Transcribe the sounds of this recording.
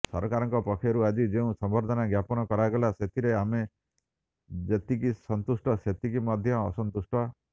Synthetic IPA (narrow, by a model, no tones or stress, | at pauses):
sɔɾkaɾɔŋkɔpɔkʰːjɔɾuad͡ʒid͡ʒeũsɔmbɔɾd̪ʱɔnaɡjapɔnɔkɔɾaɡɔlaset̪ʰiɾeame | d͡ʒet̪ikisɔnt̪usʈɔset̪ikimɔd̪ʱjɔːsɔnt̪usʈɔ